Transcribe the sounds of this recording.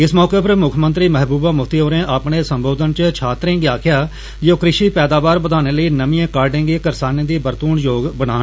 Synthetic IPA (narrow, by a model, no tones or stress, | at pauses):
ɪsmɔːkeːpəɾmʊkʰmənt̪ɾiːmɛɦbuːbaːmʊkʰt̪iːɦoːɾẽːʔaːpɳeːsəmboːd̪ənt͡ʃt͡ʃʰaːt̪ɾẽːɡeaːkʰjaː | d͡ʒoːkɾɪʃiːpɛːd̪aːʋaːɾbəd̪aːneːləiːnəmiːẽːkaːɾɖẽːɡeːkəɾsaːnẽːd̪iːbəɾt̪uːɳjoːɡbəɽ̃aː